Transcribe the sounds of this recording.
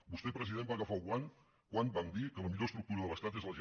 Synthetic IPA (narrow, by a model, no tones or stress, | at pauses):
bust̪epɾəziðembaɣəfaɣwaŋ | kwanbaŋd̪ikələmiʎoəst̪ɾuk̚t̪uɾəðələst̪at̪̬ezðəʒ